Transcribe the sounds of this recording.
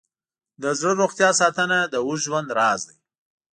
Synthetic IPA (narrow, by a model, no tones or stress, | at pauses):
d̪əzɽəɾoxt̪jɑsɑt̪ənad̪əuʒwand̪ɾɑːzd̪əj